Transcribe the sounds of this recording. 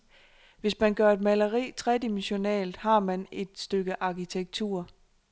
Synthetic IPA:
ʋe̝smænɡ̥ɶɐe̝d̥̚mæləʁḭːt͡sʰʁɛd̥əmiɕo̝nɛ̰ːlð̩ˠhɑ̈mæne̝d̥sd̥øɡ̥əʔɑ̈kit͡sʰeɡ̥̚t͡sʰṵːɐ

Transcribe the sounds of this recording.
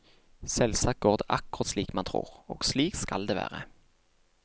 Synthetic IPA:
sɛlsɑːk̚ɡoːʁd̪əʔɑkːʊʁɑt̪sliːkmɑnt̪ʰʁṵːʁo̰ːɡsliːkskɑld̪eːʋæ̰ːʁə

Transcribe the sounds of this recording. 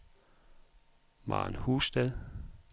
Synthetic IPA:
mɑ̰ːnhuːsd̥ɛðˠ

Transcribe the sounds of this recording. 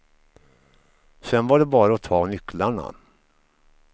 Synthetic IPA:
sɛnvaɖɛbɑːɾaɔt̪ʰɑːnʏklaɳa̰

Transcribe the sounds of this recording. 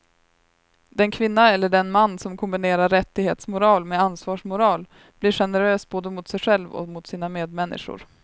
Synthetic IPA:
d̪̥ɛnkʰvɪnːaɛlːəɖɛnmanːsɔmkʰɔmbɪneːɾaɾːɛt̪ːɪɡhḛːt̪smʊɾɑːlmeansvɑːʂmʊɾɑːl | b̥liːʂɧɛnəɾøːsboːd̪əmʊt̪sɛjɧɛlvɔ̰mʊt̪siːnameːd̪mɛnːɪ̰ʂʊ̰ɾ

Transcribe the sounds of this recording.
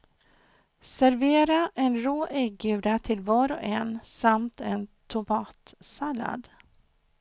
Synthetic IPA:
sæɾveːɾaʔɛnɾoːʔɛɡ̚ʉ̟ːd̪at̪ʰɪlvɑːɾɔɛnsamt̪ʰɛnt̪ʰʊmɑːt̪sala̰d̪

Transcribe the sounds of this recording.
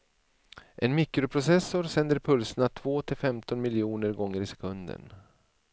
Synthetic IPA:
ʔɛnmɪkɾʊpʰɾʊsɛsːʊɾsɛnd̪əɾpʰɵlsənat̪ʰv̥oːt̪ʰɪlfɛmt̪ɔnmɪljuːnəɾɡɔŋːəɾɪsɛ̥kʰɵnd̪ə̰n

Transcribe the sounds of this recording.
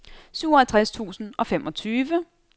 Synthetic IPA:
syʊɒhælt͡sʰʁast͡sʰṵːsn̩ɒ̽femʔɒ̽t͡sʰyːʋə

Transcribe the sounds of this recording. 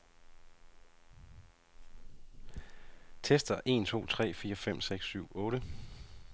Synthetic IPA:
t͡sʰesd̥ɐʔe̝̰ːnt͡sʰo̝̰ːt͡sʰʁɛ̰ːfiːɐfem̰seɡ̥sːyʊ̰ɔ̽ːɾ̥ə

